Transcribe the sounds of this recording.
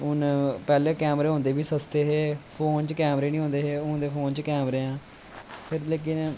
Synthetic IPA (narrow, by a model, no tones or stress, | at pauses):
ʊnpɛːlẽːkɛːmɾeːɦʊ̃nd̪eːbiːsəst̪eːɦeːpʰoːnt͡ʃkɛːmɾeːnĩːɦõːnd̪eːɦeːʊnd̪eːpʰoːnt͡ʃkɛːmɾeːãː | pʰɪɾleːk̬ɪn